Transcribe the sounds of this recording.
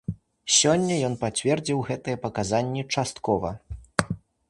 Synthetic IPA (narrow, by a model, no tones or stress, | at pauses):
sʲɔnʲːɐjɔnpat͡sʲvʲɛrd͡zʲiwɣɛt̪ɨjɛpɐkazanʲːit͡ʂast̪kɔvɐ̰